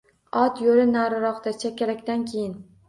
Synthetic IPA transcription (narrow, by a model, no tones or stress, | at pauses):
ɒt̪joɾɪnaɾɪɾɒqd̪at͡ʃʰakʲːaɾakʲt̪ankʲʰejɪn